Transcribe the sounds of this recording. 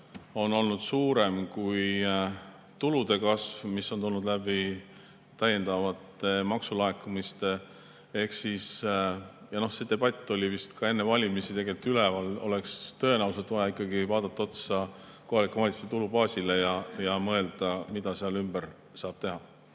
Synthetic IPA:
o̞no̞lnud̪̥suːɾe̞mkuj | t̪ulud̪̥e̞kɑsvmisːo̞nt̪ulnud̪læbi | t̪ːæjːe̞nd̪̥ɑvɑt̪ːmɑksulɑekːˑumist̪ | e̞hksis | jɑno̞hse̞d̪e̞b̥ɑt̪ʲːˑo̞lʲivist̪kɑe̞nːevɑlʲimisit̪e̞ɡe̞lt̪ːˑylevɑlo̞̰le̞kst̪ø̞e̞næwset̪ːˑvɑjɑikˑːɑɡivɑːd̪̥ɑt̪ˑːɑot̪sɑ | ko̞ɦɑlikːˑuvɑlʲit̪su̥st̪e̞t̪ulubɑːsʲilejɑjɑmɤe̞ld̪̥ɑmid̪̥ɑseɑlymb̥ər | sɑːb̥t̪e̞ɦɑ

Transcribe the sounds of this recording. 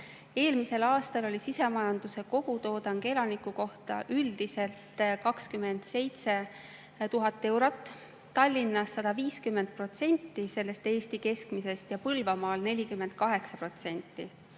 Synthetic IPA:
e̞ːlmise̞lɑːst̪ɑlo̞lʲisise̞mɑjɑnd̪̥use̞ko̞ɡ̥ut̪o̞ːd̪ɑŋɡ̥elɑnikːˑuko̞ht̪ɑ̰ʔyld̪̥ise̞lt̪kɑkskyme̞nd̪̥se̞jt̪se̞ | t̪uɦɑt̪ːˑe̞wɾo̞t̪ˑː | ɑlʲːinːɑsːɑd̪̥ɑviːskymːend̪̚pro̞t̪se̞nʲt̪ːise̞lːe̞st̪e̞ːst̪ike̞skmise̞st̪jɑpɤlvɑmɑːlne̞lʲikymːend̪̥̚kɑɦe̞ksɑpro̞t̪se̞nʲt̪ːi

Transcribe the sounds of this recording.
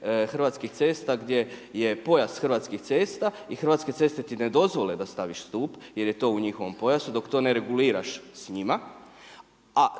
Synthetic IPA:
xr̩ʋaːt̪skixt̪se̞ːst̪aɡd̪je̞je̞po̞jast̪xɾʋaːt̪skixt̪se̞ːst̪aixr̩ʋat̪ske̞t̪se̞st̪et̪ine̞d̪o̞zʋo̞led̪ast̪aʋiʃst̪uːpje̞ɾje̞t̪o̞ːuɲixo̞ʋo̞mpo̞jasud̪o̞kt̪o̞ːne̞ɾe̞ɡuliːɾa̰ʃsɲima | a

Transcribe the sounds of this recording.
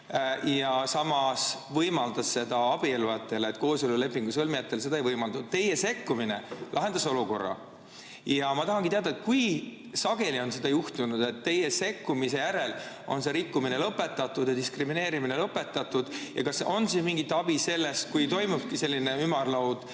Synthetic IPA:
jɑsɑmɑsvɤjmɑld̪̥ɑsse̞d̪ɑɑb̥ieluɑt̪ːˑe̞let̪ko̞ːsolule̞pːˑiŋɡ̥usɤlmijɑt̪ːˑe̞lse̞d̪ɑejvɤjmɑld̪ɑt̪t̪ːe̞jese̞kːuminelɑɦe̞nd̪̥ɑso̞luko̞̰rːɑ̰ | jɑmɑt̪ɑɦɑŋɡit̪eɑd̪̥ɑet̪̚kuj | sɑɡ̥e̞lio̞nse̞d̪̥ɑjuht̪unud̪̥e̞t̪ːe̞jese̞kːumise̞jæɾe̞l | o̞̰nse̞ɾikːumine̞lɤpːˑe̞t̪ːˑɑt̪ːud̪̥jɑd̪iskrimine̞ːɾimine̞lɤpːe̞t̪ːˑɑt̪ːud̪̥jɑ̰kɑso̞nsinmiŋɡit̪ːˑɑb̥ise̞lːest̪̚kujt̪o̞jmub̥̚kise̞lʲːine̞ymɑrlɑwd̪̥

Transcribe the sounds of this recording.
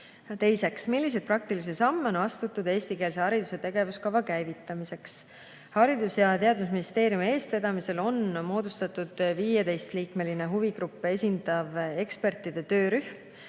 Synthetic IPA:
t̪e̞jse̞ksmilːis̬ed̪̚prɑk̚t̪ilis̬esɑmːeo̞nɑst̪ut̪ˑːud̪̥e̞ːst̪ikeːls̬ehɑɾid̪use̞t̪e̞ɡ̥e̞vuskɑvɑkæjvit̪ːˑɑmise̞ks | hɑɾid̪usjɑt̪e̞ɑd̪usminist̪e̞ːɾjumie̞ːst̪e̞d̪̥ɑmise̞lo̞nmo̞ːd̪̥ust̪ɑt̪ːˑud̪̥viːjet̪e̞jst̪liːkme̞line̞ɦuviɡɾupːˑe̞sʲind̪̥ɑve̞kspe̞rt̪ˑːid̪̥e̞t̪ø̞ːɾyhm

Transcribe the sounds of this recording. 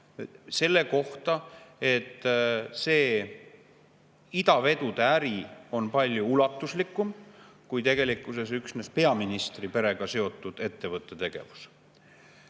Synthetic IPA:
se̞lːe̞ko̞ht̪ɑe̞t̪ːˑse̞ː | id̪ɑve̞d̪ud̪̥eæɾio̞npɑlʲjuulɑt̪ːˑuslikːˑum | kujt̪e̞ɡ̥e̞likːˑuse̞syksnespe̞ɑminist̪ripe̞ɾe̞ɡ̥ɑse̞o̞t̪ːˑud̪̥e̞t̪ːe̞vɤt̪ːˑe̞t̪e̞ɡ̥e̞̰vu̥s

